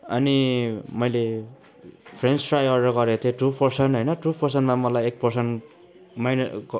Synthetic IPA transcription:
ʌnimʌjle | pʰrenspʰrajʌrɾʌɡʌɾet̪ʰẽʈupʰʌrsʌnɦʌjnʌʈupʰʌrs̬ʌnmamʌlajek̚pʌrsʌn | majn

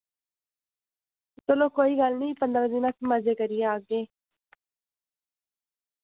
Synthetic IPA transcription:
t̪oloːkoːiːɡəlnĩːpənd̪ɾãːd̪ɪnãːsməd͡ʒeːkəɾɪjeaːɡeː

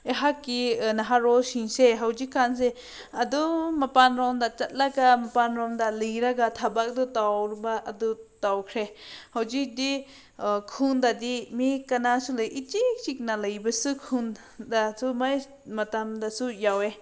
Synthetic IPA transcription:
eɦakːinaɦaɾɔsiŋseɦawzikːans̬e | ɐdɔmapanɾɔmdat͡ʃat̪̚laɡamapanɾɔmdalɯjɾaɡat̪ʰabak̚dɔtawɾbaʔːdutawkʰɾehawd͡ʒik̚di | kʰuŋdadimikanasulɯjʔitit͡ʃik̚naləjbɐsukʰun | dasumaj | mɐtamdasujawe

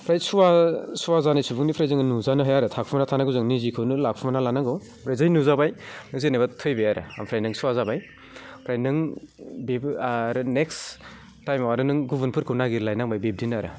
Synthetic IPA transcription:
pʰɾajsuwasuwazanɯjsubuŋnipʰɾajzɯŋnuzanɯɦajaɾɯtʰak̚ʰumanatʰanaɡɯzɯŋnizikʰɯwnɯlak̚pʰumanalanaŋɡɯw | pʰɾajzajnuzabajnɯzenabatʰɯjbejaɾɯ̰a̰mpʰɾajnɯŋsuwazabaj | pʰɾajnɯŋbepaɾɯneks | tajmawaɾɯnɯŋɡubɯnpʰɯɾkʰɯwnaɡiɾlajnaŋbajbep̚dinɯaɾɯ̰

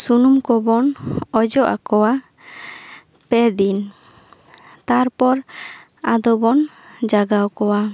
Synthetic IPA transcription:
sunumkɔbɔnɔd͡ʒɔʔa̰kɔwa | pɛd̪in | t̪aɾpɔɾ | ad̪ɔbɔn | d͡ʒaɡawkɔwa

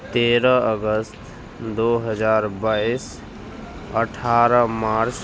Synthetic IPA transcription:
t̪eɾəəɡəst̪ | d̪oɦəd͡ʒaɾbais | əʈʰaɾəmaɾs

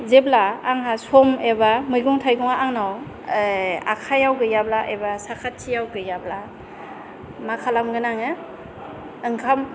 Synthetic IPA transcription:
zeblaːŋɦasɔmebamɯjɡɔŋtʰajɡɔŋaʔaŋnaw | a̰kʰajawɡɯjablaʔebasakʰatʰːijawɡɯjabla | makʰalamɡɯnaŋɯ | ɯŋkʰam

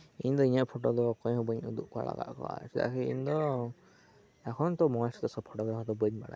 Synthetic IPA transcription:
iɲd̪ɔiɲəʔpʰɔʈɔd̪ɔkɔ̃ɲhɔbəɲud̪uʔ̚kɔa̰la̰ɡa̰ʔkɔ̰wa̰sɛd̪a̰ʔkʰɛḭɲd̪ɔ | ɛkʰɔnt̪ɔmɔlsɔ̥t̪ɔsɔpʰɔʈɔɡɾakʰɔd̪ɔbəɲbaɽa̰j

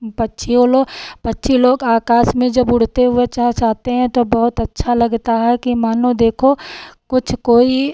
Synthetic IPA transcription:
pɐtːʃʰioloːpɐtːʃʰiloːɡaːkaːsmẽd͡ʒɐbʊɽ̤t̪eɦʊet͡ʃaːt͡ʃaːt̪eɦɛ̃t̪obɐɦʊt̪ɐtːʃʰalɐɡt̪aɦɛkimaːnod̪eːkʰokʊt͡ʃʰkoːi

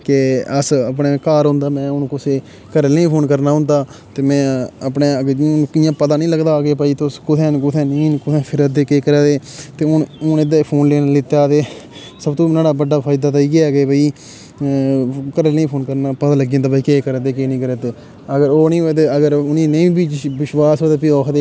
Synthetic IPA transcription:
keəsəpneːkaːɾɦʊ̃nd̪aːmɛ̃ːʊnkʊseː | kəɾəlĩːpʰoːnkəɾnaːɦʊ̃nd̪aːt̪eːmɛ̃ːəpneːɡkɪjãːpət̪aːnĩːləɡd̪aːɡeːpaːiːt̪eʊskʊt̪ʰɛ̃ːnkʊt̪ʰɛ̃ːnĩːnkʊt̪ʰɛ̃ːpʰɪɾəd̪eːkeːkəɾɛːd̪eːt̪eːʊnʊnɪd̪aːipʰoːnleːnlɪt̪ːjaːt̪eː | səbt̪õːnaːɽaːbəɖːaːpʰaːid̪aːt̪aiːkɪɛːɡeːbəːiː | kəɾəlĩːpʰoːnkəɾnaːpəd̪aːləɡiẽːnd̪aːbaːiːkeːkəɾːd̪eːkeːnĩːkəɾeːt̪eː | əɡəɾoːnĩːoeːt̪̬eːəɡəɾʊnĩːnəĩːbiːt͡ʃʋɪʃwaːsɦoːd̪eːpiːɔːkʰd̪eː

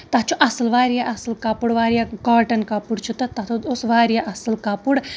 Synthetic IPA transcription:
t̪at͡ʃʰuʔɐsɐlʋaːɾjaʔɐsɐlkapuɽʋaːɾjakaːʈɐnkapuɽt͡ʃʰut̪ɐt̪ɐt̪ʰod̪osʋaːɾjaʔɐsɐlkapuɽ

